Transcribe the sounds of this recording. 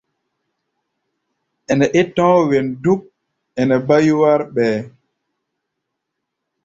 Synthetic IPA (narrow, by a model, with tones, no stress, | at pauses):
ʔɛ˨nɛ˨ʔɛ˦tɔ̃ː˦wɛ˨ndu˦k̚ | ɛ˨nɛ˨ba˦ju˦wa˦ɾɓɛː˨